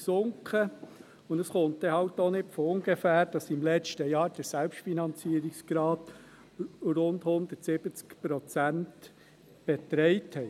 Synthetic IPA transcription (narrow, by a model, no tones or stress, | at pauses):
sʊŋkχə | ʊnəsχontd̥ɛhɑwtɔnɪtfɔʊŋɡefæːɾd̥ɑsɪmlɛt͡ʃtəjɑːɾd̥əsælpʃtfinɑnt͡siəɾiksɡ̥ɾɑːt | ɾʊndhʊnd̪ətsɪb̥ət͡skpɾɔt͡sænt | b̥ɛt̪ɾɛɪthɛ